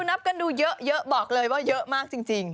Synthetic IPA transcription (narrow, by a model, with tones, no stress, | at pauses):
na˦˥p̚kə˧nɗu˧zə̰ː˧˦ʔzə̰ː˧˦˨ʔɓɔ˨˩k̚ləː˨˩jɓaː˧˩zə̰ː˧˦ʔmaː˧ŋt͡ɕi˨˩ŋt͡ɕi˨˩ŋ